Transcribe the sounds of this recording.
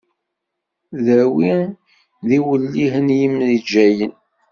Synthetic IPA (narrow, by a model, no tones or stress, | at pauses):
ðæwi | ðiwəlːiɦənjəmðid͡ʒæjən